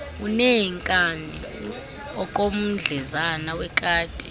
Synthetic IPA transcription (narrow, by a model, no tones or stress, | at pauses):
unejiŋkʼani | ɔkʼom̩d͡ɮʱɛzanawɛkʼaːtʼi̥